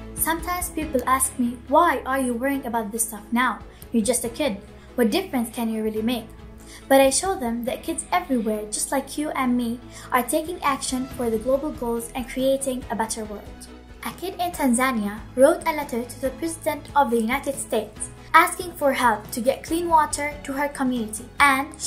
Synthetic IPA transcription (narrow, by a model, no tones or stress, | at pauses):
sʌ̃mtʰãɪ̃mz̥pipl̩ˠæsk̚miwaɪʔə˞jɨwɜ˞ɪ̃ŋɨbaʊt̪̚ðɪstʌfnaʊ | jə˞d͡ʒʌstɨkʰɪd̚ | wʌt̚d̥ɪfɹɨ̃nskʰɨ̃njɨɹɪlˠimeɪk | b̥ʌɾaɪʃoʊðə̃mðɨt̚kʰɪdzɛvɹiwɛɹd͡ʒʌstˡlaɪkʰjɨʔɨ̃nmi | ʔəɹtʰeɪkɪ̃ŋækʃə̃nfə˞ðɨɡloʊbəl̩ˠɡoʊlˠzɨ̃nkʰɹ̥ieɪɾɪ̃ŋəbɛɾə˞wɜ˞lˠd̥ | ʔɨkʰɪɾɪ̃ntʰæ̃nzæ̃njəɹoʊɾəlɛɾə˞ɾʰɨðɨpʰɹ̥ɛzɪdɨ̃ntʰʌvðɨjunaɪɾɨd̥steɪts | ʔæskɪ̃ŋfə˞ɦɛlθtʰɨɡɛt̚kʰl̥ĩnwɔɾə˞tʰɨə˞kʰəmjʉnɨɾiɨ̃n